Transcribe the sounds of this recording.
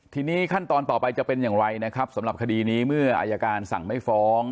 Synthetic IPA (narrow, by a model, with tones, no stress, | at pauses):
t̪ʰiː˧niː˦˥kʰa˥˩nt̪ɔː˧nt̪ɔː˨˩pa˧jt͡ɕa˨˩pe˧njaː˨˩ŋɾa˧jna˦˥kʰɾa˦˥p̚sa˨˩˦mɾa˨˩p̚kʰa˧diː˧niː˦˥mɯ˥˩ɐʔa̰ː˧jaː˧kaː˧nsa̰˨˩ŋma˥˩jfɔː˦˥ŋ